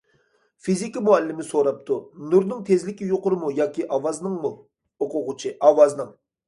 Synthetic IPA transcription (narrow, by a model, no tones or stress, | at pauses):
fizikʲimuælːɪmɪsoɾɑp̚t̪ʰunuɾnɪŋt̪ʰezlɪkʲijoqʊɾɨmujɑkʲiʔɑwɑznɨŋmu | oqʰʊʁʊt͡ʃʰɪʔɑwɑznɨŋ